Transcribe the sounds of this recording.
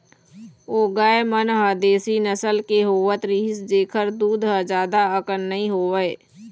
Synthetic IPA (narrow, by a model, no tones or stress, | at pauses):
oːɡaːemənɦəd̪eːsinəsəlkeɦoːʋət̪ɾiːsd͡ʒeːkʰəɾd̪uːd̪ɦəd͡ʒaːd̪aəkənːəɦĩɦoːʋəe